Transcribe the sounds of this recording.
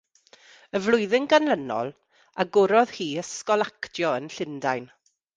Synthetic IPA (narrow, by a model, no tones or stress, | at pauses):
əvlˠʊɨðɪŋɡanlənɔ̰lˠ | aɡʊɾɔð̥hiːəskɔlˠaktjɔənɬɪndajn